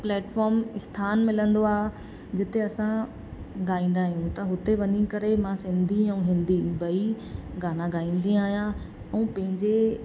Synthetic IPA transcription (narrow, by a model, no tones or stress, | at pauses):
plɛːʈfɔːɾmɪst̪ʰaːnmɪlə̃nd̪oaːɦe | d͡ʑɪt̪eɐsã | ɡaːĩːn̆d̪aːɦijũt̪ɐɦʊt̪eʋɐnikɐɾemãsɪ̃nd̪ʱiɛ̃ũɦɪ̃nd̪ibɐi | ɡaːnãɡaːĩːn̆d̪iaːɦijã | ɛ̃ːpɐ̃ɦɪ̃ɲd͡ʑe